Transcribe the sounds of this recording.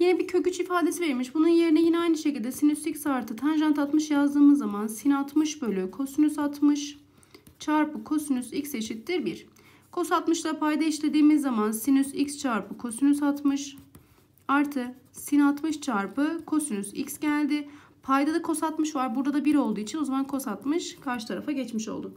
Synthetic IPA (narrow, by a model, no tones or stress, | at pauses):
jinɛbicʰø̞cyt͡ʃifaːd̪e̞siveɾmiʃbununje̞ɾinɛjinɛajnɯʃecilʲd̪ɛsinysicsaɾt̪ʰɯt̪ʰanʒant̪ʰat̪mɯʃjazd̪ɯːmɯzːamansinat̪mɯʃbølʲykʰo̞synysat̪mɯʃ | t͡ʃʰaɾpɯkʰo̞synysicse̞ʃit̪ːiɾbiɾ̥ | kʰo̞sat̪mɯʃlˠapʰajd̪aiʃlʲe̞d̪iːmizːamansinysikst͡ʃʰaɾpɯkʰo̞synysat̪mɯʃ | aɾt̪ʰɯ | sinat̪mɯʃt͡ʃʰaɾpɯkʰo̞synyzḭcsɟælʲd̪ɪ | pʰajd̪ad̪akʰo̞sat̪mɯʃvaɾbuɾd̪ad̪abiɾo̞lˠd̪uːit͡ʃʰinozamankʰo̞sat̪mɯʃkʰaɾʃɯ̥t̪ʰaɾafaɟɛt͡ʃmiʃo̞̰lˠd̪ʊ